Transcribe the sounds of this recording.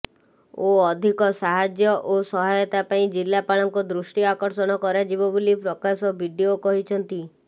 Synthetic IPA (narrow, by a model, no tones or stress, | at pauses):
oɔd̪ʱikɔsaɦad͡ʒjɔʔosɔɦajɔt̪apaĩd͡ʒilːapaɭɔŋkud̪ɾusʈiɔakɔɾsɔɽ̃ɔkɔɾad͡ʒibɔbulipɾɔkasɔbʱiɖiokɔɦit͡ʃʰɔnt̪i